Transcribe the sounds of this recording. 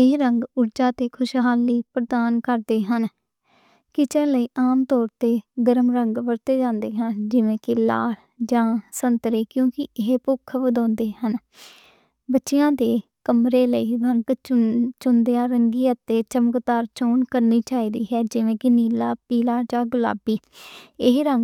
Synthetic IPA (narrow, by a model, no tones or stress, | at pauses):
ɪɦɾəŋɡʊɾd͡ʒaːt̪eːkʰʊʃɦaːlːiːpɾəd̪aːnkəɾd̪eːɦən | kɪt͡ʃɛːləiːʔaːmt̪ɔːɾt̪eːɡəɾəmɾəŋɡʋəɾt̪eːd͡ʒãːnd̪eːɦənd͡ʒɪʋẽːkɪla̰ː | d͡ʒãːsənt̪ɾeːkjõːkɪɪɦpʊkʰːʋəd̪ɔ̃ːnd̪eːɦən | bətːʃɪjãːd̪eː | kəmɾeːləiːʋənkt͡ʃʊnd̪ejãːɾəŋɡiːət̪ːeːt͡ʃəməkt̪aːɾt͡ʃoːnkəɾniːt͡ʃaːiːd̪iːɦɛːd͡ʒɪʋẽːkɪniːlaːpiːlaːd͡ʒãːɡʊla̰ːbiː | ɪɦɾəŋɡ